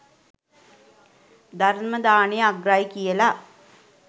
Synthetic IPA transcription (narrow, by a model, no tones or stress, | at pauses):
d̪ɐɾnməd̪aːɳijaɡɾaːjikijəla